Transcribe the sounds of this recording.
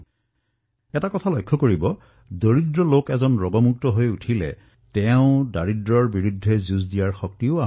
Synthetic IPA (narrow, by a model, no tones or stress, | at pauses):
ɛtakɔtʰalɔjkʰːɔkoɹibɔ | doɹidɹɔlokɛzɔnɹɔɡɔmuk̚tɔɦojutʰilɛ̰ | tɛʊ̃daɹidɹɔɹbiɹudʱːɛzuzdijaɹxɔk̚tiʊa